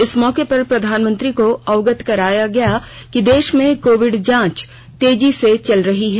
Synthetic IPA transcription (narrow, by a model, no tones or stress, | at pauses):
ɪsmɔːkepɐɾpɾɐd̪ʱaːnmə̃nt̪ɾikoɐʋɡət̪kɐɾaːjaɡɐja | kid̪eːʃmẽkoːʋɪɖd͡ʒãːt͡ʃ | t̪eːd͡ʒiset͡ʃɐlɾɐɦiɦɛː